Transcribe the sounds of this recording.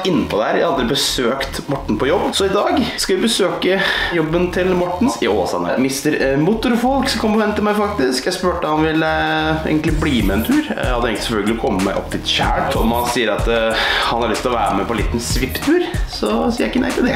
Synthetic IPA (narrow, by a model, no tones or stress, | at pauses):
ɪnːəpʰɔd̪əhæːɾjæɪɑld̪ɾɪbəsøːkt̪mɔʈːɳ̩pʰɔjɔbːsɔɪd̪ɑːɡskɑʋɪbəsøːkəjɔbːənt̪ʰɪlmɔʈːɳ̩sɪoːsɑ̰nə̰mɪst̪əɾmʊt̪ːʊɾfɔlksɔkʰɔmpɔʋɛnt̪əmæɪfɑk̚t̪ɪskjæɪspʉːʈəhɑnʋɪlḛːɡənɪbliːmɛɛnt̪ʰʉːɾæhɑd̪ːəeːɡəɪsɛfœlɡlɪɔkʰɔmːəmæɪʔɔ̰pːt̪ʰɪt̪çæ̰ːɔmɑssiːəɾɑt̪hɑnhɑɾɭʏst̪ɪlɔʋæ̰ːɾəmɛpʰɔliːt̪n̩sʋɪpːt̪ʰʉːɾsɔsiːəæɪkːənæ̰ɪt̪ʰɪld̪ɛ